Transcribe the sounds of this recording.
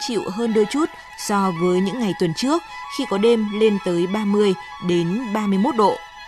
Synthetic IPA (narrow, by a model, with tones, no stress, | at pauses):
t͡ɕḭ˧˨wɦəː˧nɗo˧t͡ɕu˦˥t̚ | sɔ˧vəː˨˦jɲɨ̰˧˥ŋːa˨˩jt̪wə˨˩nt͡ɕɨ˦˥ək̚xi˧kɔ˨˦ɗe˧mle˧nt̪əː˨˦jɓaː˧mɨ˧əj | ɗe˨˦nɓaː˧mɨ˧əjmo˦˥t̚ɗo̰˧˨